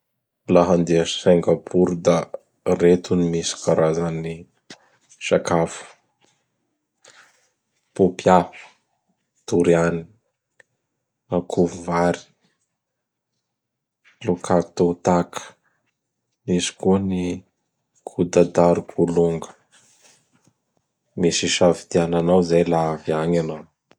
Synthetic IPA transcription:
laɦand̪easeŋɡapʰuɾud̪a | ret̪unimisi̥kaɾazani | ʃakafə̥ | pupjḁ | t̪uɾiani̥ | akʰuvuvaɾi̥ | lukʰakt̪ot̪akʰə̥ | misi̥kuəni | kʰud̪ad̪aɾukʰuluŋɡə̥ | misiʃavid̪iananawzajlaviaŋanaw

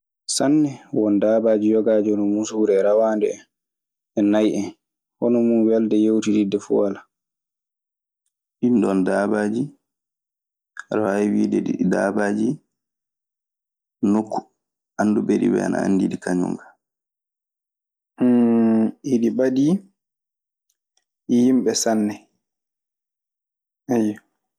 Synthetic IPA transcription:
sanːɛwɔndaːbad͡ʒijɔɡaːd͡ʒiɔnɔmunsuːɾɛɾawandɛɛ | ɛnajʔɛn | hɔnɔmunwɛldɛjewtididɛfṵala | ɗindɔndaːbad͡ʒi | ɾawaiwiːdɛɗida̰ːbaːd͡ʒi | nokːu̥ | anːdubeɗibɛ̰a̰nʔa̰a̰nːdiɗikaɲṵŋɡa | iɗibadi | ʔhimɓɛsanːɛ | ʔajɔ

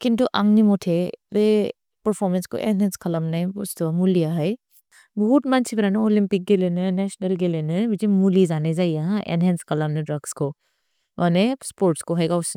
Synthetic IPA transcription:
kint̪uʔɐ̰̃ŋɡnimoʈʰeɾe | pəɾfʰɔːɾmẽnsko̰ʔḛnɦɛ̃ːnskʰɐləmnɐʊst̪omulijaɦɐj | buɦːt̪mant͡ʃʰibɐɾaneoːlĩmpɪk̚ɡelenenɛʃnɐlɡelenebit͡ʃimulizaːned͡ʒaːijaɦãʔḛnɦɛ̃ːnskɐləmnẽɖɾɐɡsko | ʋanespoːɾʈskoɦɛːɡaʊs

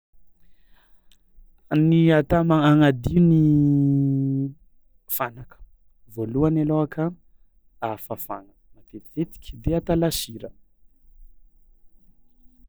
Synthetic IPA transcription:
niat̪amaaŋad̪iuni | fanakə̥ | voluanaloakʰa | afafa̰ŋəmap̪eivet̪i̥kʲd̪eat̪alaʃiɾə

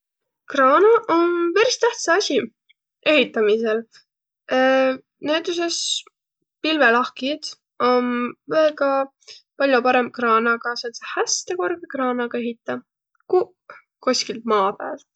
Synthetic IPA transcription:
krɑːnɑʔonpæɾist̪æht̪sɑɑsʲi | e̞ɦit̪ːˑɑmisel | neːd̪̥uses | pilvelɑhkid̪̥ | o̞nveːɡɑ | pɑlʲjopɑɾe̞mb̥̚krɑːnɑɡ̥ɑsensehæst̪e̞ko̞rɡ̥ekrɑːnɑɡ̥ɑe̞ɦit̪ːˑɑ | ku | kosʲkilt̪̚mɑːpæːl

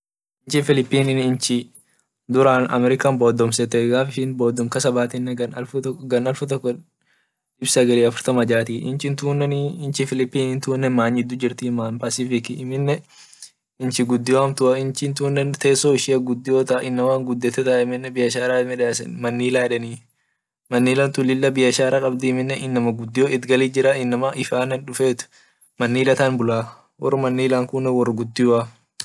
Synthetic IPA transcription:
ɪnt͡ʃɪfɪlɪpːiːnɪnɪnt͡ʃɪ | d̪ʊɾaːnɐ̰mɛɾɪkaːnboːd̪ɔmsɛt̪ːɛɡaːfɪʃɪnboːd̪ɔŋkɐsɐbaːt̪ɪnːɛɡɐnɐlfʊɡɐnɐlfʊt̪ɔkːɔ | ɪbsɐɡɐliːɐfʊɾt̪ɐmɐd͡ʒaːt̪iːʔɪ̰nt͡ʃɪnt̪uːnːɛnɪnt͡ʃɪfɪlɪpːiːnɪnt̪uːnːɛmaːɲɪd̪ːʊd͡ʒɪɾt̪iːmaːnpasɪfɪkɪːmɪnːɛ | ɪnt͡ʃɪɡʊd̪ːɪwaːnt̪ʊaɪnt͡ʃɪnt̪uːnːɛnt̪eːsːoːɪʃɪɐɡʊd̪ːɪjoːt̪ɐʔaʔɪnːɐwaːŋɡʊd̪ːɛt̪ːɛt̪aːɪmɪnːɛbɪjɐʃaːɾaːmɛᶑasɛ̰nmɐnːiːlaːɛᶑɐniː | mɐnːiːlɐnt̪ʊlɪlːɐbɪjɐʃaːɾakʼɐbd̪ɪɪmɪnːɛɪnːɐmɐɡʊd̪ːɪjoːɪt̪ɡɐliːd͡ʒɪɾaɪnːɐmɐʔɪfaːnɐnᶑʊfeːt̪ʊ̥ | mɐnːiːlɐt̪aːnbʊlaː | wɔ̰rmɐnːiːlaːŋkʊnːɛwɔrɡʊd̪ːɪwa

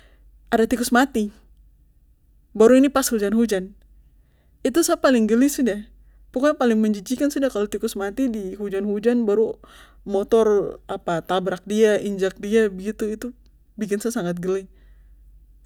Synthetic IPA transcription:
ʔadat̪ikʊsmat̪i | baɾuinipasud͡ʒanɦud͡ʒan | it̪usapalɪŋɡəlɪsida | pukapalɪŋməɲd͡ʒid͡ʒikansidakalot̪ikʊsmat̪idiɦud͡ʒanɦud͡ʒanbaɾu | mɔt̪ɔrapat̪abɾak̚diaʔiɲd͡ʒak̚diabəɡit̪uit̪u | bikɪnsasaŋat̪̚ɡəlɪ

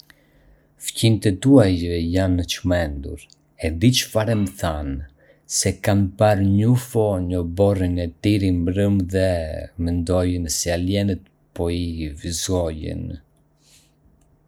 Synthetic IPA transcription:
fcint̪ɛt̪uajjanːət͡ʃmɛnd̪ṵɾ | ɛd̪it͡ʃəfaɾɛməθan | sɛkanpaɾɲufɔɲɔbɔrinɛt̪iɾimbɾəmðɛmənd̪ɔjənsialjɛnət̪ | pɔivizɔjə̰n

